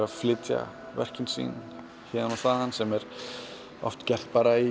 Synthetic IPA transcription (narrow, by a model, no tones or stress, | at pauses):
ɾaðflɪːt̪ja̰ | vɛ̰r̥cɪnsḭn | çɛːðanawθaðhanːsɛmɛɾ̥ | ɔ̰ft̪cɛl̥t̪paɾai